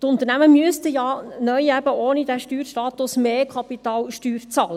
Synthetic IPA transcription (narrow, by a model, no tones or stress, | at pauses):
t̪ʊnt̪əɾnæməmyəst̪əjɑːnœʏæb̥əoːnid̥̪æʃtyːɾʃtɑːt̪ʊsmeːkʰχɑpit̪ɑːlʃtyːɾt͡sɑlə